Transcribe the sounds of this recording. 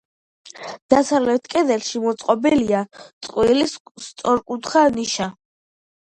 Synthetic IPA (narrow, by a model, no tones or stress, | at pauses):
d̪̥asavlɛt̪ʰkʼɛd̪ɛlʃimɔt̪sʼqʼɔbɛliat̪sʼqʼwilisst̪sʼɔɾkʼut̪ʰχaniʃa